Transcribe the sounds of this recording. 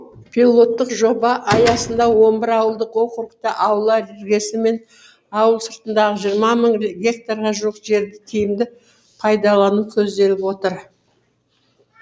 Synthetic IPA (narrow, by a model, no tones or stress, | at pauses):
pʰilˠo̞t̪ːəqʒo̞bɑʔɑjɑsənd̪ɑwo̞mbɪɾɑwəlˠd̪əqoqəɾəqt̪ɑʔɑwlˠɑɾeɾɡʲe̞sɪme̞n | ɑwəlˠsəɾt̪ənd̪ɑʁəʒijəɾmɑməɴɡʲe̞k̚t̪aɾʁɑʒuəqʒe̞ɾd̪ɪt̪ʰijɪmd̪ɪ | pʰɑjd̪ɑlˠɑnukʲʰɵzd̪e̞lɪpwo̞t̪əɾ